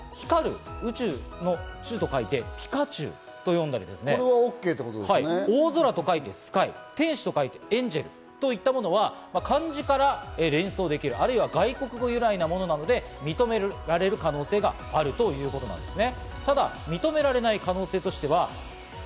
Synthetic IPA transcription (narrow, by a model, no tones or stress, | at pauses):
çi̥kaɾɯ̟̰ɯ̟t͡ɕɨːno̞ɯt͡ɕɨːt̪o̞kait̪e̞pʲi̥kat͡ɕɨ̰ː | t̪o̞jõ̞nd̪aɾḭd̪e̞sɨneeβaokːe̞ːt̪ːekot̪oaioːzo̞ɾat̪o̞kait̪e̞sɨ̥kaḭ | t̪ẽ̞ɰ̃ɕi̥t̪o̞kait̪e̞ẽ̞ɲ̟d͡ʑe̞ɾɯ̟̰ | t̪o̞it̪ːamo̞no̞β̞amakãɲ̟d͡ʑikaɾaeɾẽ̞ɰ̃so̞ːd̪e̞kʲiɾɯ̟aɾɯ̟iβaɡaiko̞kɯ̟ɡo̞jɯ̟ɾainamo̞no̞nano̞d̪e̞ | mʲit̪o̞me̞ɾaɾe̞ɾɯ̟kano̞ːse̞ːɡaːɾɯ̟t̪o̞jɯ̟ːko̞t̪o̞na̰nd̪e̞sɨne̞t̪ad̪a̰ | mʲit̪o̞me̞ɾaɾe̞naikano̞ːse̞ːt̪o̞ɕi̥t̪e̞β̞a